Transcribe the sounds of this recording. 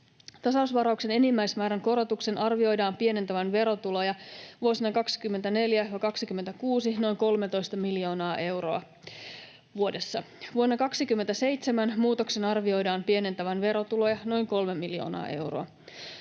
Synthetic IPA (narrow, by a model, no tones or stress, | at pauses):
t̪ɑsɑusʋɑɾɑukse̞ne̞nimːæjsmæːɾæŋko̞ɾo̞t̪ukse̞nʔɑrʋio̞jdɑːmpie̞ne̞nt̪æʋænʋe̞ɾo̞t̪ulojɑʋuosinɑkɑksi̥kymːe̞nt̪æne̞ljæʋɑkɑksikymːent̪ækuːsino̞jŋko̞lme̞t̪o̞jst̪ɑmiljo̞ːnɑːʔe̞wɾo̞̰ɑ | ʋuode̞sːɑʋuonːɑkɑksikymːent̪æse̞jt̪se̞mænmuːt̪o̞kse̞nɑrʋio̞jdɑːmpie̞ne̞nt̪æʋænʋe̞ɾo̞t̪ulo̞jɑno̞jŋko̞lme̞mːiljo̰ːnɑ̰ːʔe̞̰wro̰ɑ